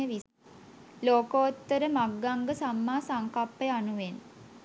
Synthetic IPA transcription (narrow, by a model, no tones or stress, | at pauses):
əʋi | loːkoot̪ːəɾəmaɡːaŋɡəsamːaːsaŋkapːəjanuʋen